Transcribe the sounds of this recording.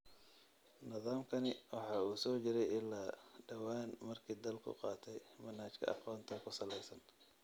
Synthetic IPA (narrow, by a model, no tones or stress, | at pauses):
nɪðaːmkʰɐnɪwɑħɑːuːsɔːt͡ʃɪɾɛjɪlːaːɖɐwaːnmɐrkʰiːd̪ɐlkʰʊ̰qɑːt̪ʰɛjmɐnhaːt͡ʃkʰɐ̰ʔɑ̰qɔːnt̪ʰɐkʰʊsɐlɛjsɐn